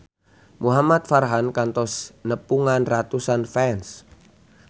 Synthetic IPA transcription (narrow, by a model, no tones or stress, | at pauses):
muɦamat̪̚farɦankant̪ɔsnəpuŋanrat̪usanfɛns